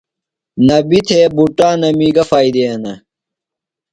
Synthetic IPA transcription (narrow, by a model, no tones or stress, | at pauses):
nɐbit̪ʰebuʈaːnɐmiːɡɐfaːjd̪eɐnɐ